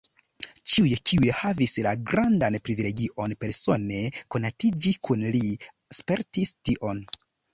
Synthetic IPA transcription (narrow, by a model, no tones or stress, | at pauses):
t͡ʃiujkʰiujhavislaɡɾandanpɾivile̞ɡiʔo̞npe̞ɾso̞ne̞ko̞natid͡ʒikunli | spe̞ɾtistiʔo̞n